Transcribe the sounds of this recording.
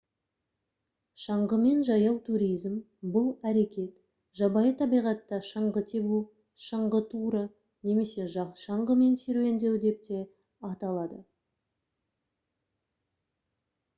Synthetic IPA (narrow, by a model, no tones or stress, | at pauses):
ʃɑɴʁəme̞nʒɑjɑwt̪ʰuɾijzm | bʊlˠæɾe̞kʲe̞t̪ | ʒ̥ɑbɑjət̪ʰɑbijʁɑt̪ːɑʃəɴʁət̪ʰe̞bu | ʃəɴʁət̪ʰuɾə | ne̞me̞se̞ʒɑʃɑɴʁəme̞nseɾue̞nd̪e̞wd̪e̞p̚t̪e̞ | ɑt̪ɑlˠɑd̪ə